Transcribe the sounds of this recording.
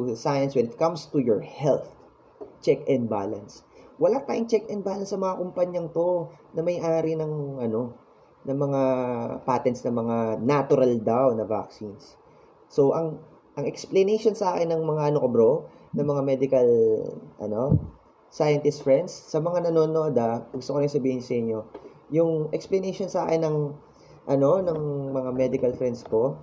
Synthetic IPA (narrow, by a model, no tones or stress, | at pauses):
t̪usajɐnswɛnɪt̪̚kɐmst̪ujɔɹhɛlθ | t͡ʃɛkɛnd̪̚ba̰ːlɐ̰nswɐlat̪aːjɪŋt͡ʃɛkɛn̚baːlɐnsɐŋmɐŋakʊmpɐɲɐŋt̪o̞nɐmɐjʔaːɾɪnɐŋʔɐno̞ | nɐŋmɐŋapat̪ɛnt̪snɐmɐŋanat̪ʊɾɐld̪awnɐva̰k̚sinsː | o̞ʔɐŋ | ʔɐŋɛksplɐnɛjʃonsɐʔaːkɪnːɐŋmɐŋaʔɐnokobɾo | nɐŋmɐŋamɛd̪ɪkɐlʔɐ̰no̞ | sajɐnt̪ɪst̪fɹɛnd̪sːɐmɐŋanɐno̞ːno̞ːd̪ɐɡʊst̪okɐnosɐbiːhɪnsɐhɪɲːo̞ | jʊŋʔɛksplɐnejʃo̞nsa̰ːkɪnːɐŋ | ʔɐno̞nɐŋmɐŋamɛd̪ɪkɐlfɾɛnd̪sko̞